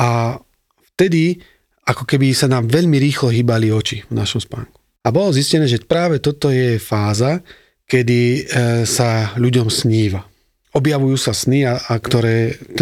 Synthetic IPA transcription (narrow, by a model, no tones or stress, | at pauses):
ʔa | ft̪ɛd̪i | akɔkɛbisanaːmʋɛʎmiɾiːxlɔɦiːbaliɔt͡ʃivnaʃɔmspa̰ːŋku̥ | abɔlɔziscɛnɛːʒɛpɾaːʋɛt̪ɔt̪ɔjɛfaːza | kɛd̪isaʎuɟɔmsɲiːʋa | ɔbjaʋujuːsasniakt̪ɔɾɛːt̪